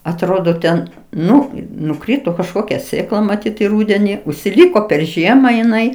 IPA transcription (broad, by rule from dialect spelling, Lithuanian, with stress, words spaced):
ɐtˈroːdoː tʲɛn ˈnʊ nʊˈkrʲɪtoː kɐʃˈkoːkʲɛ ˈsʲeːklˠɐ mɐˈtʲiːt ɪ ˈruːdʲɛnʲɪ ʊʃʲsʲɪˈlʲiːkoː pʲɛr ˈʒʲiɛmɐ jɪˈnɐɪ